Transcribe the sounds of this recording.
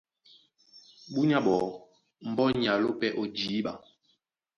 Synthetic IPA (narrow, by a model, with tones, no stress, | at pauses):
ɓu˦ɲa˦ɓɔ˨˦ | m̩˨bɔ˦ɲa˨lo˦pɛ˦ʔo˨d͡ʒiː˨˦ɓa̰˨